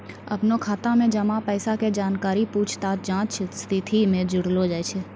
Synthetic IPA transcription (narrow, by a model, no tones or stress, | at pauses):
ɐ̰pnokʰaːt̪ãmẽd͡ʒɐmapɛːsaked͡ʒaːnkaːɾipuːt͡ʃʰt̪aːt̪d͡ʒãːt͡ʃt͡ʃst̪ʰɪt̪ʰimẽd͡ʒʊɽlod͡ʒaːjt͡ʃʰeː